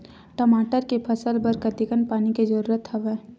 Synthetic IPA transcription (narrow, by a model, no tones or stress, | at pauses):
ʈəmaːʈəɾkepʰəsəlbəɾkət̪ɪkənpaːniked͡ʒɐɾuːɾət̪ɦɐʋɛː